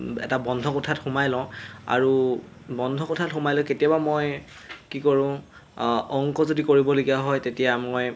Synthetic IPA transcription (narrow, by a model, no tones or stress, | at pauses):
ɛ̰tabɔndʱɔkɔtʰatxumajlɔ̃a̰ɹu | bɔndʱɔkɔtʰatxʊmajlɔ̃ketijabamoj | kikɔɹʊ̃ | ɔŋkɔzodikoɹibɔlokijaɦɔjtetijamɔj